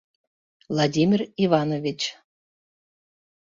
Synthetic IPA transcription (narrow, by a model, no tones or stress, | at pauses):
vlˠɑdʲimʲirivɑnovʲit͡ɕ